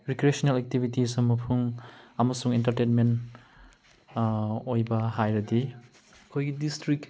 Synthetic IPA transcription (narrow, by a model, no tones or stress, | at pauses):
ɾikɾiesonelɛk̚tibʱitisɐmɐpʰuŋɐmɐsuŋintɐɾtenment | ojbɐhajɾɐdi | ɐkʰojɡidistɾik